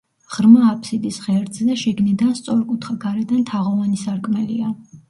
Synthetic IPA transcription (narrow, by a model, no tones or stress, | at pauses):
ʁ̥ɾmaːpʰsid̪isʁɛɾd̪zɛʃiɡnid̪anst̪sʼɔɾkʼut̪ʰχaɡaɾɛd̪ant̪ʰaʁɔvanisaɾkʼmɛlia